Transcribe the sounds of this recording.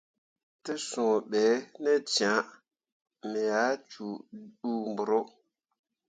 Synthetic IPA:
te˦sũ˨ɓɛ˨˦ne˦t͡ʃã˨˦ | me˨ja˨˦t͡ʃu˨ɗu˦m˨bu˨ɾo˦

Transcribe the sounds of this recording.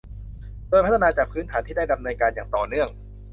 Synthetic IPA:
doː˧jpʰa˥˧naː˧t͡ɕaː˨˩k̚pʰɯː˦˥nt̪ʰaː˩˦t̪ʰiː˥˩daː˥˩jda˨˧˩m̚nɤː˧nkaː˧njaː˨˩ŋt̪ɔː˨˩nɯ˥˩əŋ

